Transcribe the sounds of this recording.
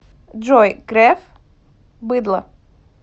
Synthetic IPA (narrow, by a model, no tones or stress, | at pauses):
d͡ʒɔjkɾɛf | bɨd̪lˠɐ̰